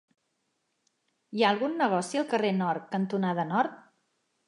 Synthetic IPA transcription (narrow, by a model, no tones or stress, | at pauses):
iaəlˠɣunːəɣ̞ɔsiəlˠkərenɔɾkənt̪unaðənɔɾt̪̚